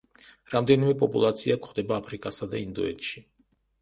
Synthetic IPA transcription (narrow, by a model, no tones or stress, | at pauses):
ɾamd̪ɛnimɛpʼɔpʼulˠat̪sʰiakʰχd̪ɛbaːpʰɾikʼasad̪a̰ind̪ɔɛt̪ʃi